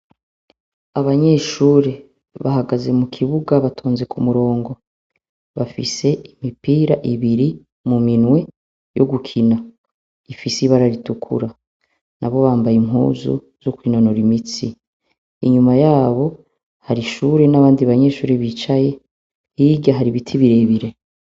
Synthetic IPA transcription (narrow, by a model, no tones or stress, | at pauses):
aβaɲe̞ʃuːɾe | βahaɡaze̞mukʰiβuɡaβatʰo̞ːnze̞kʰumuɾo̞ːŋɡo̞ | βafḭse̞imipiːɾaʔiβiɾi | muminwe̞ | jo̞ɡukʰina | ifisiβaɾaɾitukʰṵɾa | nʔaβo̞βaːmbajimɦṵːzṵ | z̥okwiːno̞no̞ɾimit͡siː | ɲumajaːβo̞ | haɾiʃuːɾe̞naβaːndiβaɲe̞ʃuːɾeβit͡ʃaje̞ | hiɡɟjaɦaɾiβitʰiβiɾe̞βiɾe̞